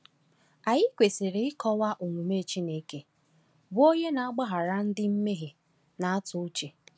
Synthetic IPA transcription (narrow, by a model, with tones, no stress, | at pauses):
a˨ɲɪ˦kʷe˨se˨ɾe˨ɪ˦kɔ˦wa˦ʔo˨ŋʷu˨me˦˨t͡ʃi˦ne˨ke˦ | bʊ˦o˦ɲe˦na˨a˦ɡ͡ba˦ɦa˨ɾa˦n̩˦dɪ˦m̩˦me˦ɦe˨ | na˨a˦tʊ˦t͡ʃe˨